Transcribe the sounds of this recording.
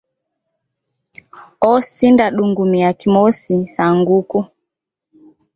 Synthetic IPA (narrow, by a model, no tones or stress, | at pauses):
ɔsindaɗuŋɡumiakimɔsisaŋɡuku